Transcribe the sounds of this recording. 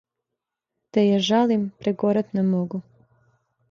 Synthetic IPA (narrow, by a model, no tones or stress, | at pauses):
t̪ejeʒalimpɾeɡoɾat̪nemoɡu